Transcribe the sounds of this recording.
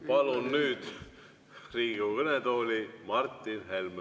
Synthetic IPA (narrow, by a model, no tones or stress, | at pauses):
pɑlunːyːd̪̥ | riːɡukɤned̪o̞ːlʲimɑrt̪ːˑinɦelm